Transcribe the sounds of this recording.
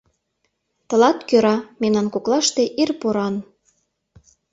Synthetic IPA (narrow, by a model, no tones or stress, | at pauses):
t̪ɤ̆lɑt̪køɾɑmenɑnkoklɑʃt̪eʔirpoɾɑn